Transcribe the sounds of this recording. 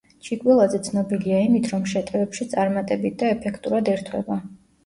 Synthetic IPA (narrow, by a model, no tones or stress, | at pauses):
t͡ʃʰikʼwilˠazɛt̪sʰnɔbiliaimit̪ʰɾɔmʃɛt̪ʼɛvɛpʃit̪sʼaɾmat̪ʼɛbit̪̚ʰd̪aɛpʰɛkʰt̪ʼuɾad̪ɛɾt̪ʰwɛ̰ba